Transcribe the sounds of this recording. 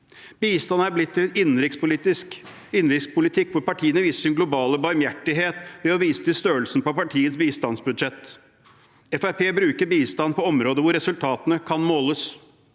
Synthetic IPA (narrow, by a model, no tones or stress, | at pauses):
b̥iːst̪ɑnəæɾblɪt̪ʰːɪlnɪnnɾɪkspʊliːt̪ɪsk | ɪnɾɪkspʊlɪt̪ʰɪkːʋʊɾpɑʈʰiːənəʋiːsəʂɪnɡlʊbɑːləbɑɾmjæʈːɪɦeːt̪ʋɛɔʋiːsə̥t̪ɪst̪øːəlsn̩pɔpɑʈʰiːət̪sbiːst̪ɑnsbʉd̪ʂɛt̪ː | ɛfæɾpʰeːbɾʉːkəɾbiːst̪ɑnpʰɔɔmɾoːd̪əʋʊɾɛsʉlt̪ʰɑːt̪ənəkʰɑnmoːləs